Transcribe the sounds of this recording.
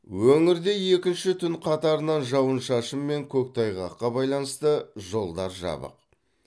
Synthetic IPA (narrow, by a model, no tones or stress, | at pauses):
wɵŋɪɾd̪e̞je̞kʲɪnʃɪt̪ʰʏnqʰɑt̪ɑɾənɑnʒɑwənʃɑʃəmːe̞ŋkʲʰɵk̚t̪ʰɑjʁɑqːɑbɑjlˠɑnəst̪əʒo̞lˠd̪ɑɾʒɑ̰bə̰q